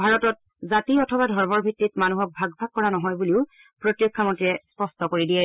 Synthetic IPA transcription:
bʱaɹɔtɔt̚ | zatiɔtʰɔbadʱɔɹmɔɹbʱitːitmanuɦɔk̚bʱaɡbʱaɡ̚kːɔɹanɔɦɔjbuliʊ | pɹotjokʰːamɔntiɹɛspɔstɔkoɹidijɛ

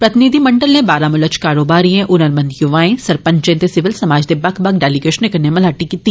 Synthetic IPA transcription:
pɾɐt̪ɪnid̪ʱimɐ̃ɳɖəlnẽbaːɾãmʊlət͡ʃkaːɾoːbaːɾiẽʔʊnəɾmɐ̃nd̪jʊʋaːẽsɐɾpə̃ɲt͡ʃẽːt̪esɪʋɪlsɐmaːd͡ʒd̪ebɐkʰbɐkɖɛːliɡeːʃnẽkɐɾnemɐlaːʈikit̪iː

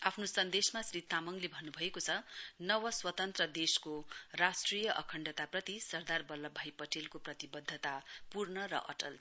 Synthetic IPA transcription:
apʰnosʌnd̪esmasrit̪ʰːamʌŋlebʱʌnːubʱʌekot͡sʰʌnʌwʌswʌt̪ʌnt̪rʌd̪eskorasʈrijʌʔʌkʰʌɳɖʌt̪aprʌt̪isʌrd̪arbʌlːʌbʱajpʌʈʰelkoprʌt̪ibʌd̪ʱːʌt̪apurnʌɾʌ̰ʔʌ̰ʈʌ̰l

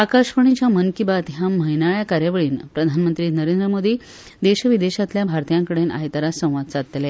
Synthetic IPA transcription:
akaɕʋəɳ̃it͡ɕjamənkibat̪ɦjam̤əɦinaɭjakaɾjaʋəɭiːnpɾəd̪ʱanmənt̪ɾiːnəɾend̪ɾəmod̪iː | d̪eɕəʋid̪eɕat̪ljabʱaɾt̪ijãŋkəɽena̰jt̪aɾasə̃w̃ʋad̪̚t͡sat̪le

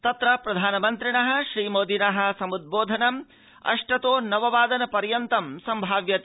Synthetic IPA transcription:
t̪ɐt̪ɾɐpɾɐd̪ʱaːnɐmɐnt̪ɾiɳɐɦɐ̆ʃɾiːmoːd̪ʱinɐɦɐ̆sɐmud̪̚boːd̪ʱɐnɐm | ɐ̰ʂʈɐt̪oːnɐʋɐʋaːd̪ɐnɐpɐɾjɐnt̪ɐmsɐmbʱaːʋjɐt̪

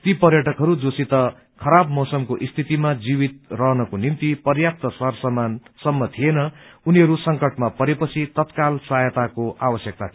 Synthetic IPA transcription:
t̪ipʌrjʌʈʌkɦʌɾud͡zosit̪ʌ | kʰʌɾabmʌwsʌmkoʔist̪ʰit̪imad͡zibit̪̚rʌɦnʌkonimt̪ipʌrjap̚t̪ʌsʌrsʌmansʌmːʌt̪ʰienʌuniɦʌɾusʌŋkʌʈmapʌɾepʌt͡sʰit̪ʌt̪kalsajʌt̪akoʔabʌsjʌk̚t̪at̪ʰ

